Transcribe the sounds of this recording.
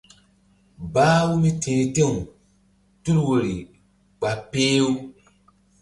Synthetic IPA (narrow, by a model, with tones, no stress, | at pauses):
baː˦wu˦mi˦tʰẽː˨te˦˨ŋ˨ | tu˦lwo˨ɾi˨ | ɡ͡ba˨peː˦wu˦